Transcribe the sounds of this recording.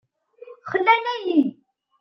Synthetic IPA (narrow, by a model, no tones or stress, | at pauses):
χəlːænæji